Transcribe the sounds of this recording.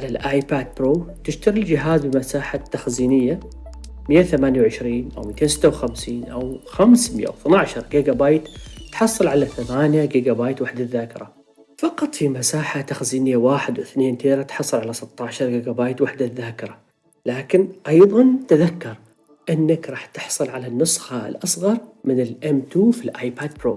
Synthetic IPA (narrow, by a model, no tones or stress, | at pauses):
alalʔaːjpaːd̪̚pɾoːt̪ɪʃt̪aɾild͡ʒɪɦaːzbɪmasaːħat̪ːaxziːnɪjːa | mɪjːaθamaːnjawʕɪʃɾiːnʔa̰wmit̪ʰeːnsɪ̥t̪ːawxamsiːnʔawxamsmɪja̰wθnaʕʃɑɾˤɡiɡabɑːjt̪ːħɑsˤːɨlʕalaθamaːnjaɡiːɡabaːjt̪waħd̪aðːaːkɪɾˤa | fɑqɑt̪ˤfimasaːħat̪axziːnɪjawaːħɪd̪wɪθneːnt̪ʰeːɾˤat̪ħɑsˤːɨlʕalasɪt̪ˤːɑʕʃɑɾˤɡiːɡabɑːjt̪waħd̪aðːaːkɪɾˤa | laːkɪnʔɑjðˤɑnt̪aðakːɑɾˤ | ʔɪnːakɾˤɑːħt̪ɪ̥ħsˤɨlʕalanːʊsˤxaɪ̰lʔɑsˤɣɑɾˤmɪnɪlʔɛmt̪uːfilʔaːjpaːd̪̚pɾoː